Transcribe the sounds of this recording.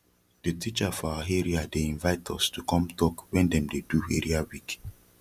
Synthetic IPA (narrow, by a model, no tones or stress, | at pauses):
d̥etʰit͡ʃafɔɦeɹiadeĩnvaɪtʰɔstukɔ̃mtʰɔkwɛ̃ndɛ̃mdeduhɛɹiawik